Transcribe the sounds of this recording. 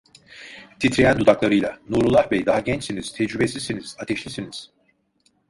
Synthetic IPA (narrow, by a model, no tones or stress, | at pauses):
t̪ʰit̪ɾijænd̪ud̪aklˠaɾɯjlˠanuɾlˠulˠahbɛjd̪aɦaɟɛnt͡ʃsiniz̥t̪ʰɛd͡ʒɾybesʲizsiniz̥at̪ʰɛʃlʲisiniz̥